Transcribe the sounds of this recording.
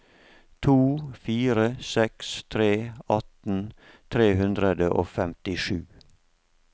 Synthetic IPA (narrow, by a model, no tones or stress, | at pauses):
t̪ʰuːfiːɾəsɛkst̪ʰɾeːɑt̪n̩ | t̪ʰɾeːhʉnd̪ɾəd̪əʔo̰ːfɛmt̪ɪʂʉː